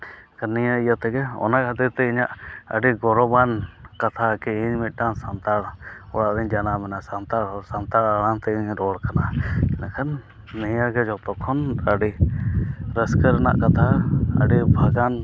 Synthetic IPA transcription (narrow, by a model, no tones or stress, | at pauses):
kanːijaijat̪ɛɡɛɔ̰nakʰət̪iɾt̪ɛiɲaʔə̰ɖiɡɔɾɔbankat̪ʰakɛiɲmit̪̚ˀʈansant̪aɽɔɽaʔɾiɲd͡ʒanamɛnasant̪aɽɔɾsant̪aɽaɽant̪ɛiɲɾɔɽkanakɛnakʰanː | ɛjaɡɛd͡ʒɔt̪ɔkʰɔnəɖi | ɾəskəɾɛna̰ʔkat̪ʰaə̰ɖibʱaɡan